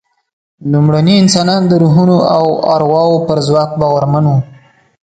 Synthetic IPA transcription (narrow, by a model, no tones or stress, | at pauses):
lumɽaniɪnsɑnɑnd̪əɾuɦunoawɑ̰ɾɣwɑwopəɾzwɑk̚bɑɣaɾmanwu